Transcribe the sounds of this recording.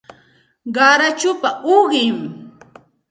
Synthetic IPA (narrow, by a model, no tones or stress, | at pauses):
ɢɑɾat͡ʃʊpaʊɢɪm